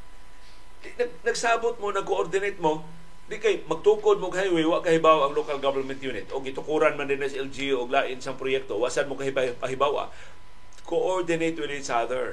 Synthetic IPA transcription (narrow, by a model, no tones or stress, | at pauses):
d̪ɪnɐɡ̚nɐɡsaːbot̪̚monɐkoʔoɾd̪ɪnejt̪̚mo | d̪ɪkajmɐɡ̚t̪uːkod̪̚moɡhajwɛjwaʔkɐhɪbawʔɐŋlokɐlɡɐvɛnmɛnt̪juːnɪt̪ʔoɡɪt̪ʊkuːɾɐnmɐnd̪ɪnɐsɛld͡ʒioɡlaːʔɪnsɐŋpɾojɛk̚t̪o̞waʔsad̪mokɐhɪbaɐɦɪbawa̰ | kʰoʔoɹd̪ɪnejt̪wɪd̪ɪt͡ʃad̪ɛɹ